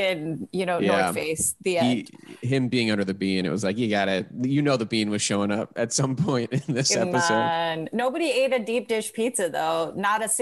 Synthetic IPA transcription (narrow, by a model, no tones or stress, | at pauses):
ɨ̃njɨnoʊjæɹfeɪsðiɛ̥̃ɪ̃mbiɪ̃ŋʌ̃ndə˞ðɨbĩnɨ̰ʔ̚wʌzlaɪkhiɡɑɾɨt̚jɨnoʊðɨbĩnwʌz̥ʃõʊ̃nʌp̚ɨtsʌ̃mpʰɔ̃ɪ̃ntɨ̃nðɪsɛpɨoʊdnoʊbɨɾieɪɾɨdip̚d̥ɪʃpʰisɨðoʊnəɾɨs